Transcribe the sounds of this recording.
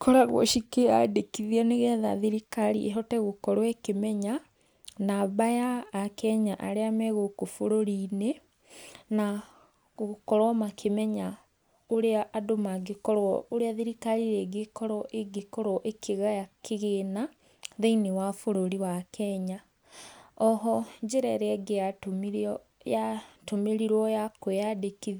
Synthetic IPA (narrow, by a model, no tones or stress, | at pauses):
kʰɔɾaɣwɔ̰ʃikea̰dekiðiɛneɣɛða̰ðiɾikaɾḭʔeɦɔtɛɣokɔɾɔekemɛɲa | naβajaːkɛɲaʔaɾeamɛɣokofoɾoɾine | na | ɣokɔɾwɔmakʰemɛɲa | oɾeaʔːdomaɡekɔɾwɔoɾeaðiɾikaɾiɾɛɡekɔɾɔʔeɡekɔɾɔʔekʰeɣajakʰeɣeːna | ðeinewafoɾoɾiwakʰɛɲa | ɔɦɔɲd͡ʒeɾɛɾɛɡejatomiɾ | jatomeɾiɾwɔjakojadekið